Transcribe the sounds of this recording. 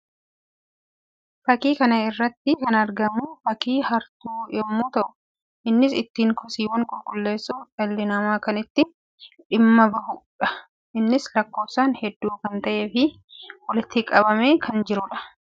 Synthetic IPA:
fɐkiːkɐnɐɪrːɐt̪ːɪkɐnɐɾɡɐmuːfɐkiːhɐɾt̪uːʔɛmːuːt̪ɐʔʊ | ʔɪnːɪsɪt̪ːiːŋkʰɔsiːwɐŋkʼʊlkʼʊlːe̞ːsːufᶑɐlːɪnɐmaːkɐnɪt̪ːɪ | ᶑɪmːɐbɐhʊᶑɐ | ɪnːɪslɐkːo̞ːsaːnhɛd̪ːuːkɐnt̪ɐʔeːfɪ | wɔlɪt̪ːɪkʼɐbɐmeːkʰɐnd͡ʒɪɾʊᶑɐ̥

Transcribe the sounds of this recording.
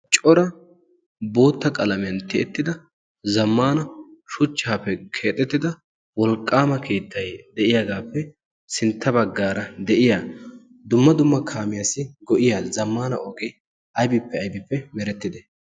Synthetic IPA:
t͡ʃʼɔɾɐ | bo̞ːt̪ːɐkʼɐlɐmɪjɐnt̪ɪɛt̪ːɪd̪ɐ | zɐmːaːnɐʃʊt͡ʃːaːpːɛkʰe̞ːt̪ʼːɛt̪ːɪd̪ɐ | wɔlkʼːaːmɐkʰeːt̪ːɐjd̪ɛʔɪjaːɡaːpːɛ | sɪnt̪ʰːɐbɐɡːaːɾɐd̪ɛʔɪjaː | d̪ʊmːɐd̪ʊmːɐkʰaːmɪjasɪɡɔʔɪjazɐmːaːnɐ̰ʔɔkʼɪ | ʔɐjbɪpːɛɐjbɪpːɛmɛɾɛt̪ːɪd̪ɛ

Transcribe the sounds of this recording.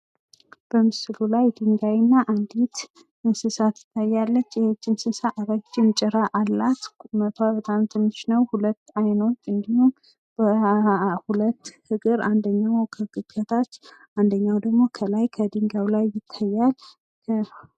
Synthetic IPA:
b̥əmɨsɨlulajd̪ɨŋɡajɪnːaʔand̪it̪ | ɨnsɨsat̪ʰɨ̥t̪ʰːajːalːət͡ʃːjɛhɨt͡ʃːɪnsɨsaʔaβat͡ʃːɪmt͡ʃʼɛɾaʔalːat̪mət̪ʰaβət̪ʼamt̪ʰɨmːɨʃnəwhulət̪ːajno̞t͡ʃːɨnd̪ium | b̥ə | hulət̪ːhɨɡɨɾand̪əɲːawkʰəɡɨkːʰət̪ʰat͡ʃː | and̪əɲːawd̪əɡmo̞kʰəlajkʰəd̪ɨŋɡawlajːɪt̪ʰːajːal | kʰə

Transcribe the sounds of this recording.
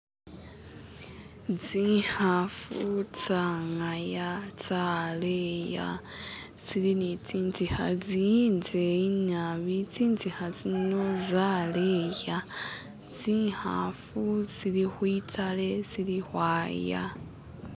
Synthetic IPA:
d͡zihafut͡saŋajat͡saleja̰ | t͡silinit͡siːnt͡sihazinzeiɲaβit͡siːnt͡sihazino̞zaleja | d͡zt͡siːha̰fuzilixwitʰale̞zilixwaːja̰

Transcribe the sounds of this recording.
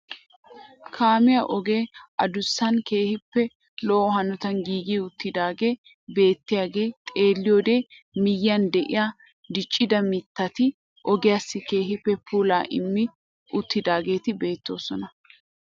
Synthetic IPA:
kʰaːmɪjaʔɔɡe̞ːʔɐd̪ʊsːɐnke̞ːhɪpːɛ | lɔːɔɦɐnɔt̪ɐnɡiːɡiʊt̪ːɪd̪aːɡe̞ː | be̞ːt̪ːɪjaːɡe̞ːt̪ʼe̞ːlːɪjo̞ːd̪e̞ː | mɪjːɐnd̪ɛʔɪ̰jaː | d̪ɪt͡ʃʼːɪd̪ɐmɪt̪ːɐt̪ɪ | ʔɔɡɪjaːsːɪke̞ːɦɪpːɛpuːlaːʔɪ̰mːɪ | ʔʊt̪ːɪd̪aːɡe̞ːt̪ɪbe̞ːt̪ːo̞ːsɔnɐ

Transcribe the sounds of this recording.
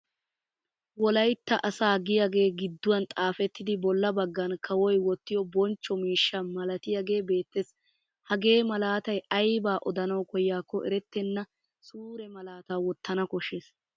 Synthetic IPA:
wɔlɐjt̪ːɐʔɐsaːɡɪjaɡe̞ːɡɪd̪ːʊwɐnt̪ʼaːfɛt̪ːɪd̪ɪbɔlːɐbɐɡːɐnkʰɐwɔjwɔt̪ːɪjɔbɔnt͡ʃːɔmiːʃːɐmɐlɐt̪ɪjaːɡe̞ːbe̞ːt̪ːes | hɐɡe̞ːmɐlaːt̪ɐjɐjbaːʔɔd̪ɐnɐwkɔjːaːkːɔʔɛ̰ɾɛt̪ːɛnːɐ | suːɾɛmɐlaːt̪aːwɔt̪ːɐnɐkɔʃeːs

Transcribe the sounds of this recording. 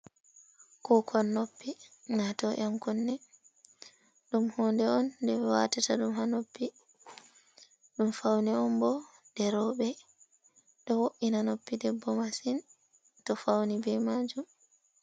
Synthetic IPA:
kɔkʰɔnːopːinatɔʔamkɔnːɛ | ɗumhɔːndɛɔndɛɛwa̰tataɗumhanopːi | ɗumfawniɔmbɔ | d̥ɛɾɔɓɛ | ɗɔwoʔinanopːidɛbːɔmasin | tɔfawnibɛmaːd͡ʒum

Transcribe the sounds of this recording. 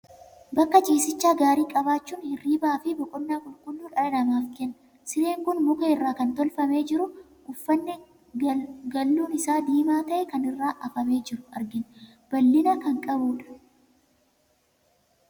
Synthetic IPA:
bɐkːɐt͡ʃʼiːsɪt͡ʃːaːɡaːɾiːkʼɐβaːt͡ʃːuːnhɪrːiːbɐaːfɪbɔkʼɔnːaːkʼʊlkʊnːuːᶑɐlɐnɐmaːfkɛnːɐ | sɪne̞ːŋkʊnmʊkeːɪrːaːkɐnt̪ɔlfɐme̞ːd͡ʒɪɾʊ | ɡʊfːɐnːɛ | ɡɐlːuːnɪsaːd̪iːmaːt̪ɐʔɛkɐnɪrːaːʔɐfɐme̞ːd͡ʒɪɾʊɐ̰ɾɡɪn | b̥ɐlːɪnɐkɐŋkʼɐbuːᶑɐ̥

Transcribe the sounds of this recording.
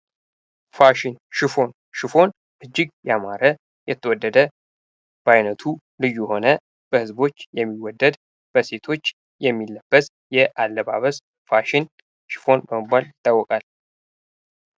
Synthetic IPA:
faʃinʃɪfo̞n | ʃɪfo̞n | ʔɨd͡ʒːɪɡjɛamaɾə | jɛt̪ʰːəwɔd̪ːəd̪ə | b̥əajnət̪ʰu | lɨjːuho̞nə | b̥əhɨzbo̞t͡ʃːjɛmːiwɔd̪ːəd̪ | b̥əse̞t̪ʰo̞t͡ʃː | jɛmːilːəb̥ːəs | jɛʔalːəβa̰βəs | faʃin | ʃɪ̥fo̞nbəmɨbːaljɪt̪ʼːawːɔkʼal

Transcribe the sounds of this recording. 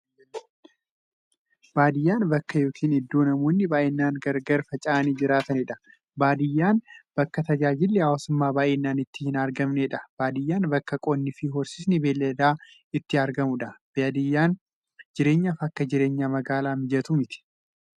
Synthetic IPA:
b̥aːd̪ɪjːaːnbɐkːɐjo̞ːkʰiːnɪd̪ːoːnɐmoːnːɪbaːʔenːaːnɡɐɾɡɐɾfɐt͡ʃʼaːniːd͡ʒɪɾaːt̪ɐnɪᶑɐ̥ | baːd̪ɪjːaːnb̥ɐkːɐt̪ɐd͡ʒaːd͡ʒɪlːɪhaːwaːsʊmːaːbaːʔeːnːaːnɪt̪ːɪhɪnɐɾɡɐmneːᶑɐb̥aːd̪ɪjːaːnbɐkːɐkʼonːɪfɪɦɔɾsɪsnɪbeːlːɐd̪aː | ɪt̪ːɪɐɾɡɐmʊᶑɐbed̪ɪjːaːn | d͡ʒɪɾe̞ːɲːaːfɐkːɐd͡ʒɪɾe̞ːɲːaːmɐɡaːlaːmɪd͡ʒɐt̪umɪt̪ɪ̥

